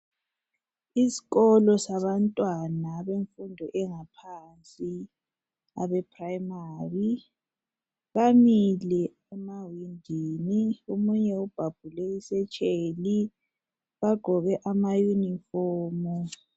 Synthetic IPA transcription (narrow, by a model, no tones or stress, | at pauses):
isi̥ɣɔlɔsaβantʼwanaβeɱfundʱɔʔɛŋapʰant͡sʼi | a̰βɛpʰrajmaːri | ɣamilɛ | ɛmawindʱiniumuɲɛub̥ʱab̥ʱulɛisɛt͡ʃʼeːli | βaɡ̥ʱɔɣɛʔamajunifɔːmu